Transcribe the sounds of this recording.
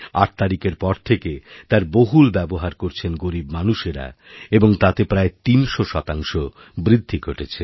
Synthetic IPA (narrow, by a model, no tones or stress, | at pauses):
a̰ʈ̚t̪aɾikeɾpɔɾt̪ʰeket̪aɾboɦulbɛboɦaɾkoɾt͡ɕʰenɡoɾibmanuʃeɾa̰eboŋt̪at̪epɾaet̪inʃoʃɔt̪aŋʃo | bɾid̪ʱːiɡʱoʈet͡ɕʰe